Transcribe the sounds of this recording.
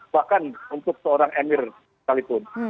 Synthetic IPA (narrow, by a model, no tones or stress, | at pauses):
bahkanunt̪ʊk̚səoɾaŋʔɛmɪr | kalipʊn